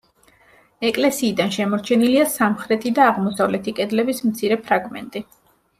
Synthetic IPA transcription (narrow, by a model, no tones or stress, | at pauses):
ɛkʼlɛsiːd̪anʃɛmɔɾt͡ʃʰɛniliasamχɾɛt̪ʰid̪aːʁmɔsavlɛt̪ʰikʼɛd̪lɛbismt̪sʰiɾɛpʰɾaɡmɛ̰nt̪ʼi